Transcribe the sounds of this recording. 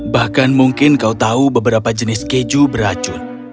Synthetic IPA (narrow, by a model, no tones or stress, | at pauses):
bahkanmuŋkɪnkaut̪aubəbəɾapad͡ʒənɪsked͡ʒubəɾat͡ʃʊn